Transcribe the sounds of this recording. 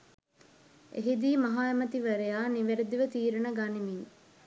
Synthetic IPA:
ʔḛɦid̪iːmɐɦaːemɐt̪iʋɐɾejaːniʋeɾed̪iʋət̪iːɾɐnəɡanimiŋ

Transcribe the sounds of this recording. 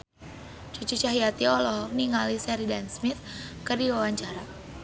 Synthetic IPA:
t͡ʃut͡ʃut͡ʃaɦiat̪iɔlɔhniŋalisɛɾidansmit̪kərdiwawaɲt͡ʃaɾa

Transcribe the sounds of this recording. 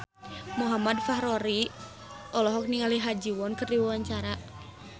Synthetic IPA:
muɦamadfaɦɾɔɾi | ʔɔlɔɦɔk̚niŋaliɦad͡ʒiwɔnkərdiwawaɲt͡ʃaɾa

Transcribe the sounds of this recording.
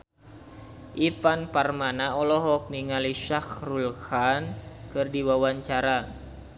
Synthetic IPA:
ʔifanparmanaɔlɔɦɔk̚niŋaliʃaxrulxankɨrdiwawaɲt͡ʃaɾa

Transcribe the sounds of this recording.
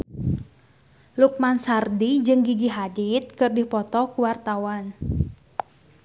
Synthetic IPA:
luk̚mansardid͡ʒɨŋɡiɡiɦadit̪̚kɨrdihpɔt̪ɔkuwart̪awan

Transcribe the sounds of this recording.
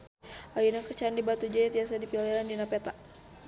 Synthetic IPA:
ajinakət͡ʃandibat̪ud͡ʒajat̪iasadipiliɾandinapɛt̪a

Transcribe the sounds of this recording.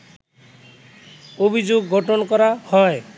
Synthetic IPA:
obʱid͡ʒoɡːʱɔʈɔnɔkɔɾahɔe

